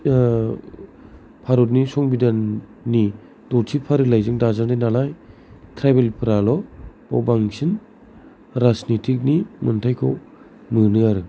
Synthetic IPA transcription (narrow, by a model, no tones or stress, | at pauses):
pʰaɾɔt̚nisɔŋbidannːi | tɔɾtʰipʰaɾɯlajzɯŋdazandajnalaj | tʰɾabelpʰɯɾalɔbɔ̰wbaŋsin | ɾasnitʰik̚nimɯntʰajkʰɔ̰w | mɯnɯaɾɯ